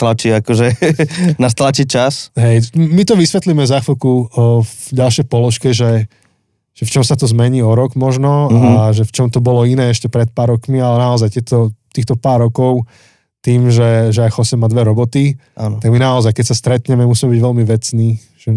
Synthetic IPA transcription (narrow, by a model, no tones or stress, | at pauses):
t̪lat͡ʃiakɔʒɛnast̪lat͡ʃit͡ʃasɦɛjmit̪ɔʋisʋɛt̪limɛvzaxilku | ɟalʃjɛjpɔlɔʃkɛʒɛ | ʒ̥ɛft͡ʃɔmsat̪ɔzmɛɲiːɔɾɔɡmɔʒnɔaʒɛft͡ʃɔmt̪ɔbɔlɔinɛːɛʃcɛpɾɛt̪̚paːɾɔkmialɛnaɔzajt̪jɛt̪ɔt̪iːxt̪ɔpaːɾːɔkɔʊ | t̪iːmʒɛʒɛajxɔsɛmːad̪ʋɛɾɔbɔt̪ianɔt̪aɡminaɔzajkɛcsast̪ɾɛt̪ɲɛmɛmusiːmɛbiɟʋɛlmiʋɛt͡sniː | ʒ̥ɛ